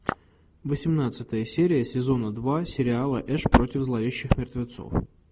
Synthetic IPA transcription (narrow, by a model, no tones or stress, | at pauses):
vəsʲɪmnat̪sɨt̪əjəsʲeɾʲɪjəsʲɪzo̞nəd̪vasʲɪɾʲɪalˠə̰ʔɛʂpɾo̞tʲɪvzlˠɐvʲeɕːɪxmʲɪrt̪vʲɪt̪so̰f